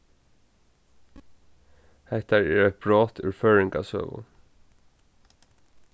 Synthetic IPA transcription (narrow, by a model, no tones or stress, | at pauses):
hɛt̪æɹæːɹɛt̪̚bɹoːt̪ʰʉ̰ɾføːɹɪŋɡɑ̰ːsø̰ːʋʊ̰